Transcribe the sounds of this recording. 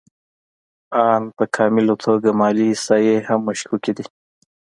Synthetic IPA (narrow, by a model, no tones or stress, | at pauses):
ɑːnpəkʰɑːmɪlot̪ʰoɡamɑːlisɑjehamːaʃkukid̪i